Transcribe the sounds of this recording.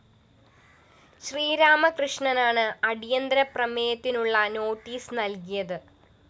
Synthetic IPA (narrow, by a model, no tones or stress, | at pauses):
ɕriːɾaːmɐkrɨʂɳɐnaːɳɨɐɽijɐnd̪ɾɐprɐmeːjɐt̪ːinuɭːɐno̞ːʈːiːsnɐlkijɐðɨ